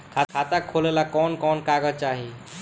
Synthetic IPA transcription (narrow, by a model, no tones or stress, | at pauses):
kʰakʰat̪akʰːolelakɔnkɔnkaɡət͡ʃaɦi